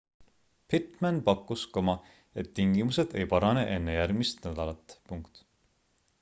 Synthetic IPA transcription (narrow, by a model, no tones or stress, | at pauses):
pʰit̪ˑmænpɑkːˑuskɑmɑ | e̞t̪ːiŋɡimuse̞d̪̥e̞̰jpɑɾɑne̞ʔe̞nːejæɾɡmist̪næd̪̥ɑlɑt̪ːˑpuŋkt̪